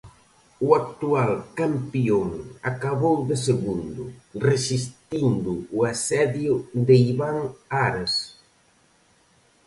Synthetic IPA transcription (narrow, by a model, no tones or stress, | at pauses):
uak̚t̪ualkampioŋakaβowðɪseɣund̪ʊresist̪ind̪ʊːasɛðjʊd̪eiβaŋaɾas